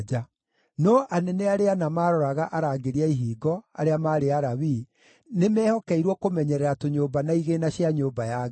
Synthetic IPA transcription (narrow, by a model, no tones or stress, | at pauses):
d͡ʒa | nɔʔanɛneaɾeanamaːɾɔɾaɣaʔaɾaɡeɾiaiɦiːɡɔa̰ɾeamaːɾeaɾawi | nemɛːhɔkɛiɾwɔkomɛɲɛɾɛɾatoɲoːbanaiɣenaɕjaɲoːbajaɣ